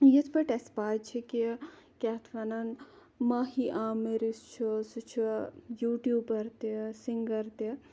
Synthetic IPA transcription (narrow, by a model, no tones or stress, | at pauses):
jit̪ʰpɐʈespaːjt͡ʃʰikikʲaːt̪ʰʋɐnɐn | maɦiʔaːmeɾist͡ʃʰusut͡ʃʰujuːʈjuːbɐɾt̪isiŋɡɐɾt̪i